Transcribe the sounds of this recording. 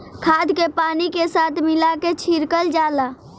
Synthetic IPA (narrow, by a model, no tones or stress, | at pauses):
kʰaːd̪kepaːnikesaːt̪ʰmɪlaket͡ʃʰiɾkəld͡ʒaːlaː